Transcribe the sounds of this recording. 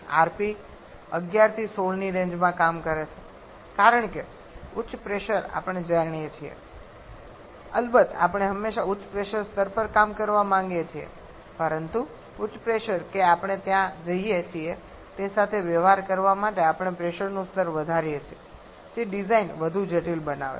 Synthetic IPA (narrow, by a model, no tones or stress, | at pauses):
a̰ɾpi | ə̰ɡjaɾt̪ʰisoɭniɾẽɲd͡ʒmãkamkəɾet͡ʃʰe̥ | kaɾəɳke | ʊtːt͡ʃʰːpɾeʃəɾa̰pəɳ̃ed͡ʒaɳijet͡ʃʰiḛ | əlbət̪a̰pɳ̃eɦəmːeʃaʊːt͡ʃʰpɾeʃəɾst̪əɾpəɾkamkəɾʋamãŋɡet͡ʃʰiḛ | pəɾənt̪u | ʊːt͡ʃpɾeʃəɾkeapəɳ̃et̪jãd͡ʒəɦiet͡ʃʰie | t̪esat̪ʰeʋəʋaɾkəɾʋamaʈeapəɳ̃epɾeʃəɾnũst̪əɾʋəd̪ʱaɾijet͡ʃʰie | d͡ʒeɖizainʋəd̪ʱud͡ʒeʈilbənaʋḛ